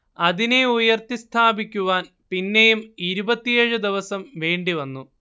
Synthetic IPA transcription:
ɐðine̞ujɐrt̪ist̪ʰaːbikʲːuʋaːn | pinːe̞jumiɾubɐt̪ːijeɻɨd̪iʋɐsɐmʋe̞ːɳɖiʋɐnːu

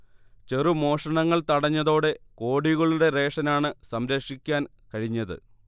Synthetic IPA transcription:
t͡ɕe̞rumo̞ːʂɐɳɐŋːɐɭt̪ɐɽɐɲːɐðo̞ːɽe̞ko̞ːɽiɣɐɭuɽe̞re̞ːʂɐnaːɳɨsɐmɾɐkʂikʲːaːn | kɐɻiɲːɐðɨ̰

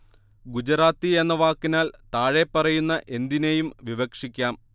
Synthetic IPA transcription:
ɡud͡ʑɐɾaːt̪ːie̞nːɐʋaːkːinaːlt̪aːɻe̞pːɐrɐjunːɐʔe̞nd̪inejumʋiʋɐkʂikʲːaːm

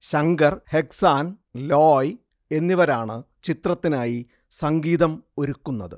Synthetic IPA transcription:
ɕɐŋɡɐrheksaːn | loːj | e̞nːiʋɐɾaːɳɨ | t͡ɕit̪rɐt̪ːinaːji | sɐŋɡiːðɐmo̞ɾukːunːɐðɨ

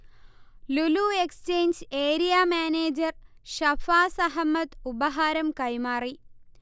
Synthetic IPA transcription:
luluːekst͡ʃeːnd͡ʑeːɾijaːmaːneːd͡ʑɐr | ʃɐfaːsɐɦɐmɐt̪ubɐɦaːɾɐmkɐjmaːri

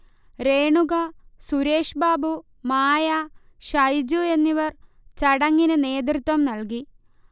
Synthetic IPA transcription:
ɾe̞ːɳuɣɐsuɾe̞ːʂbaːbu | maːja | ʂɐjd͡ʑue̞nːiʋɐr | t͡ɕɐɽɐŋːinɨne̞ːd̪rɨt̪wɐmnɐlk̬i

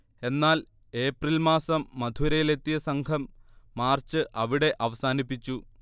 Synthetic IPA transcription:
e̞nːaːl | e̞ːprilmaːsɐmːɐd̪ʱuɾɐjile̞t̪ːijɐsɐŋkʰɐmːaːrt͡ɕɨʔɐʋiɽe̞ʔɐʋɐsaːnipːit͡ɕːu

